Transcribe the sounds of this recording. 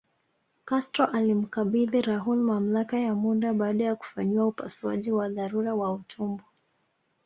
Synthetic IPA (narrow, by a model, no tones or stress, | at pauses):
kastɾɔʔalim̩kaɓiðiɾaɦulmam̩lakajamuɗaɓaːɗajaku̥faɲiwaupa̰sua̰ʄiwaðaɾuɾawautʰumbu